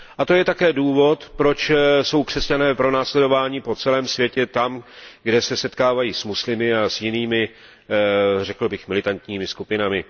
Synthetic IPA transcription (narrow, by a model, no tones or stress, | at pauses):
ʔat̪o̞jɛt̪akɛːduːvo̞t̪pɾo̞t͡ʃso̞wkr̝̥ɛscanɛːpɾo̞naːslɛdo̞vaːɲiːpo̞t͡sɛlɛːmsvjɛcɛt̪amɡdɛsɛsɛt̪kaːvajiːsmuslɪmɪasjɪniːmɪ | rɛkl̩bɪxmɪlɪt̪ant̪ɲiːmɪskupɪnamɪ